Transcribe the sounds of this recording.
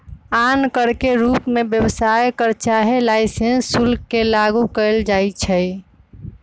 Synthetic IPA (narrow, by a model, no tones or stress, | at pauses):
ankəɾkeɾupmebjəwsajkəɾt͡ʃaɦelaɪsẽnsːulkːelaɡukəɪld͡ʒajt͡ʃʰəj